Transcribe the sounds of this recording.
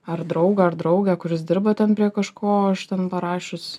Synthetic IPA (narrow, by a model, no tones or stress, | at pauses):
ɐrd̪ɾɒʊɡɐɐrd̪ɾɐʊɡʲɛːkʊɾʲɪsd̪ʲɪɾbɐt̪ʲɛnpʲɾʲiɛkɐʃkoːɐʃt̪ʲɛnpɐɾɑːʃʲʊs